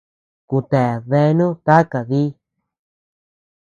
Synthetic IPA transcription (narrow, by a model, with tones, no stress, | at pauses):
ku˨t̪e˨ðe˧nũ˦k̪a˦ka˨ði˦